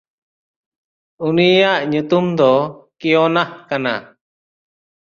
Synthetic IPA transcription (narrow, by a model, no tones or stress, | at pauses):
unijaʔɲut̪umd̪ɔkiɔnahkana̰